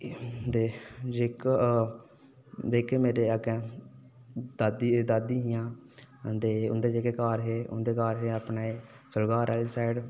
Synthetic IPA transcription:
d̪eːd͡ʒeːk | d̪eːkeːmeːɾeːəɡe | d̪ad̪d̪ad̪iːɦɪjãːt̪eːʊ̰nd̪eːd͡ʒeːkeːkaːɾɦeːʊ̰nd̪eːkaːɾɦeːapnaeː | səlɡaːɾʔɛːlsaːɪɖ

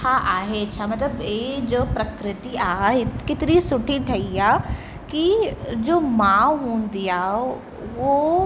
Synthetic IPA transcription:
aʔaːɦet͡ɕʰaːmɐt̪ləbed͡ʑoːpɾɐkɾɪt̪iaːɦɪkɪt̪ɪɾisʊʈʰiʈʰɐiaː | kid͡ʑoːmaːʋɦũːnd̪ijaː | ʋo

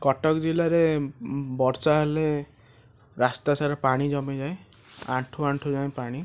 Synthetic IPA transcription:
kɔʈɔkd͡ʒilaɾe | bɔɾsaɦele | ɾast̪asaɾɔpaɽ̃id͡ʒɔmid͡ʒaj | ã̰ɳʈʰuaɳʈʰud͡ʒaj̃paɽ̃i

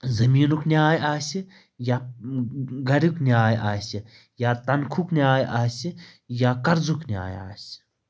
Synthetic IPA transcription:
zɐmiːnukʰnʲaːjaːsʲi | ja | ɡɐɾʲikniaːjʔaːsʲi | jaːt̪ɐnkʰukniaːjʔaːsijaːkɐɾzuknʲa̰ːja̰ːsʲi̥

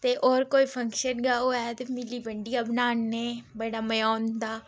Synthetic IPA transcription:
t̪eːʔɔːɾkoːiːpʰəŋkʃənɡaːoːɛːt̪emɪliːbəɳɖiːabnaːnːeːbəɽaːməjɔːnd̪aː

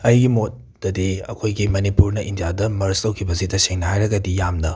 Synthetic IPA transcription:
ɐjɡimot̚ | dɐdeɐ̰kʰojɡimɐnipuɾnɐʔindijadɐmɐɾstɐwkʰibɐsitɐseŋnɐhajɾɐɡɐdijamnɐ

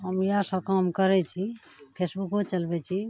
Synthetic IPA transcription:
ɦəmjasəkamkəɾɛt͡ʃʰi | pʰesbukot͡ʃəlbɛt͡ʃʰi

